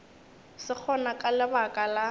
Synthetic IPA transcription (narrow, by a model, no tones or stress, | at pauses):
sɪk͡xʰɔnakʼalɪbakʼala